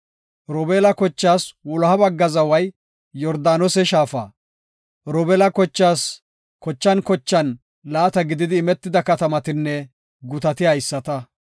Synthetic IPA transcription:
ɾɔːbeːlɐkɔt͡ʃːaːswʊlhɐbɐɡːɐzɐwɐj | jɔɾd̪aːnɔsɛʃaːfa̰ː | ɾɔːbɛlɐkɔt͡ʃːaːs | kɔt͡ʃːɐnkɔt͡ʃːɐn | laːt̪ɐɡɪd̪ɪd̪ɪːmɛt̪ːɪd̪ɐkɐt̪ɐmɐt̪ɪnːɛ | ɡʊt̪ɐt̪ɪaɪsːɐt̪ɐ

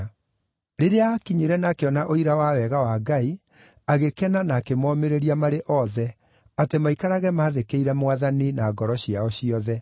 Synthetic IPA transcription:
ɾeɾeaːkiɲiɾɛnakeɔnaʔoiɾawawɛɣawaːɡai | aɣekɛnanaːkemɔːmeɾeɾiamaɾeʔɔðɛ | atemaikaɾaɣɛmaːðekeiɾɛmwaðaninaːɡɔɾɔɕiaɔɕiɔðɛ

